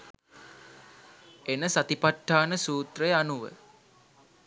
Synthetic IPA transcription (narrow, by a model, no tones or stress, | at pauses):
enəsat̪ipaʈːaːnəsuːt̪rejəanuʋə̰